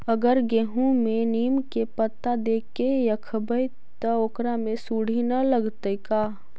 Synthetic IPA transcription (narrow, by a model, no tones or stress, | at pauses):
əɡəɾɡeɦũmẽniːmkepət̪ːad̪eːkejɐkʰəbəj | t̪əoːkɾamẽsuːɽ̤inɐləɡt̪əikaː